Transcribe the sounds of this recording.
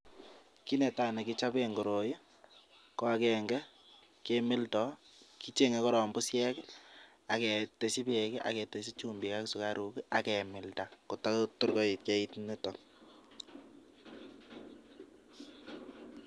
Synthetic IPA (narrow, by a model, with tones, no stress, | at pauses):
ki˦nɛ˨ta˨nɛ˨ki˦t͡ʃa˦pe˦ŋɡo˨ɾo˨ji˦ | kɔ˦a˦kɛ˨ŋɡɛ˦ | ke˦mɪ˦ltɔki˦t͡ʃe˦ŋe˨kɔ˦ɾɔ˨mbʊ˦sjɛ˦k | a˨kɛ˨te˨si˦pe˨kɛ˦ʔa̰˨kɛ˨te˨si˦t͡ʃu˦mbi˨ka˦ksu˨kaɾʔu˨kiʔa˨kɛmɪ˨lta˨ko˨ta˦tʊ˦ɾkɔ˦i˨t̚ke˦i˦tne˦tɔ˨